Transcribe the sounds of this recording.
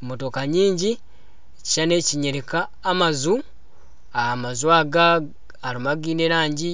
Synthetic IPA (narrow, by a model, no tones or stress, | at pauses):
motokaɲiːɲɟi | eci̥t͡ʃane̞ːciɲeɾekaːmazu | aamazwaːɡa | aɾimaɡiːneɾaːɲɟi